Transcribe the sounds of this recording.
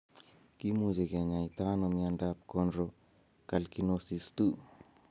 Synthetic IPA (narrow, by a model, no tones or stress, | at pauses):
kimuzikeɲait̪anomiandap̚kɔnɾo | kalkinosistu